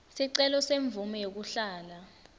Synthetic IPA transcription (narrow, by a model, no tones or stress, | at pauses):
siǀɛlɔseɱb̪vumɛjok̬uɬaːla